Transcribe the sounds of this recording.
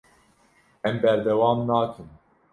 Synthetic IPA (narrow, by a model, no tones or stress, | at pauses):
ɛmbɛɾd̪ɛwɑːmnɑːkʰɨm